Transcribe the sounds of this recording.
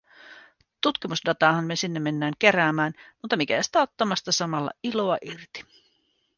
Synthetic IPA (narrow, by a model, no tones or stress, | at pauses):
t̪ut̪k̟imusdɑt̪ɑhɑnːesinːemːe̞nːæːŋke̞ɾæːmæːnmut̪ːɑmikæ̰si̥t̪æot̪ːɑmɑst̪ɑsɑmɑlːɑ̰ilo̞ɑʔirt̪i̥